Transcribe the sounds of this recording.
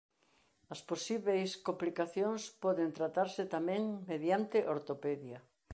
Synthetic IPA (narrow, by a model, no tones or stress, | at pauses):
ɐsposiβejskomplikaθjoŋspɔðent̪ɾat̪aɾsɪt̪amɛ̃ŋmeðjant̪ɪʔoɾt̪opeðja